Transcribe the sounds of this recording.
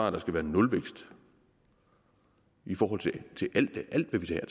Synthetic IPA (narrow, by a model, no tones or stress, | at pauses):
ɑ̈ːd̥ɑ̈sɡ̥æʋæːɐnɔ̽lʋeɡ̥sd̥ | ifɒːɦɒ̽l̰t͡sʰe̝t͡sʰe̝ʔæl̰d̥ʔæl̰d̥ʋæʋit͡sʰɛ̰ːɐt͡sʰ